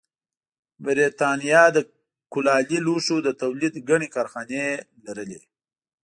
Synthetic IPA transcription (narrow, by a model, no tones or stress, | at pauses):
bɪɾet̪ɑnijɑd̪ə | kʊlɑliluʂod̪ət̪awlid̪ɡaɳekɑɾxɑnelaɾəle